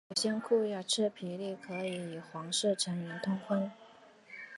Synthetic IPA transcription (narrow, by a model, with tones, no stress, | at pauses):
o˨˩ɕjɛ˥nkʰu˥˧jɑ˥˩ʈ͡ʂʰɻ̩˥pʰi˧˥li˥˩kʰɤ˧˥i˧˥i˨˩xwɑ˧˥ŋʂ̩˥˩ʈ͡ʂʰə˧˥nmɛ˧˥nt̪ʰʊ˥ŋkʰwa˥n